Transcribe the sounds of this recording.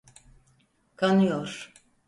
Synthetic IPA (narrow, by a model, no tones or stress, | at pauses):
kʰanɯjoɾ̥